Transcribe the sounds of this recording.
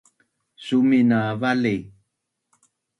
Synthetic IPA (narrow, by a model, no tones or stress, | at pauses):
suminavali